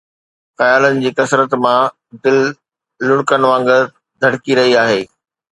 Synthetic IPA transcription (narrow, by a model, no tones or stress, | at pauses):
xɐjaːlənɪ̆d͡ʑiːkɐsɾət̪mã | d̪ɪlː | ʊɽkənɪ̆ʋãːŋɡə | d̪ʱɐɽkiɾɐɦiaːɦeː